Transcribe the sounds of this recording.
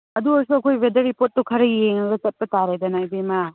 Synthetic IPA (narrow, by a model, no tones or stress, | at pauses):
ɐduɔɾsuɐkʰojbedɐɾipot̚ːɐkʰɐɾɐieŋɐɡɐt͡ʃɐt̚pɐtaɾajdɐnajbema